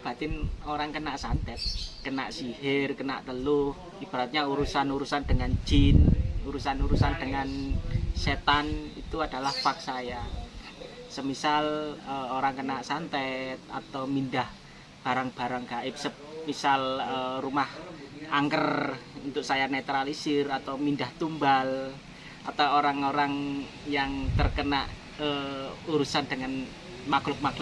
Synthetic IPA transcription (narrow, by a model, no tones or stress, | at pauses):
b̥a̤t̪ɪnoɾaŋkənaʔsant̪ɛt̪̚kəna̰ʔsihɪrkəna̰ʔt̪əlʊh | ib̥a̤ɾat̪̚ɲauɾusanuɾusand̥əŋand͡ʒɪnuɾusanuɾusand̥əŋanset̪anḭt̪uad̥a̤lahpaksaja | səmisaləoɾaŋkənaʔsant̪ɛt̪̚a̰t̪awmindah | b̥a̤ɾaŋb̥a̤ɾaŋɡaʔɪp̚sə | misalərumahaŋkərunt̪ʊk̚sajanet̪ɾalisɪrat̪awmindaht̪umbal | ʔat̪awoɾaŋoɾaŋ | jaŋt̪ərkəna̰ʔ | əuɾusandəŋan | maklʊk̚maklʊ